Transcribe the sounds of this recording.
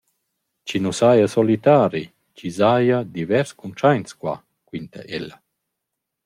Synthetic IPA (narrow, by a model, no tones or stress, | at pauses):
t͡ʃinusajasɔlit̪aːɾi | t͡ʃizajad̪ivɛɾskunt͡ʃajnskwa̰ | kwint̪a̰ʔelːa